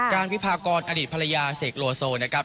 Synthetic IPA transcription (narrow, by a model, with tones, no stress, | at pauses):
kaː˧nwi˦˥pʰaː˧kɔː˧nʔa˧diː˨˩pʰa˧ɾa˧jaː˧seː˨˩k̚loː˧soː˧na˦˥kʰa˦˥p̚